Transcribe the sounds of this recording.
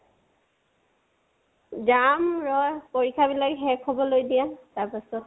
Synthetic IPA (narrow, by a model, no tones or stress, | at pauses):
zamɹɔjpoɹikʰabilakɦɛɹkʰɔbɔlojdijataɹpasɔt